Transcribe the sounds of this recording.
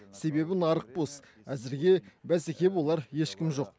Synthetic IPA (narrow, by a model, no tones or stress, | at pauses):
se̞be̞bɪnɑɾəq̚bos | æzɪɾɡʲe̞bæzekʲe̞pwo̞lˠɑɾje̞ʃkʲɪmʒo̞q